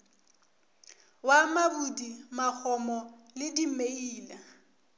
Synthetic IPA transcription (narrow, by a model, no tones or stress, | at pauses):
wamabudimak͡xʰɔmɔlɪdimeiːla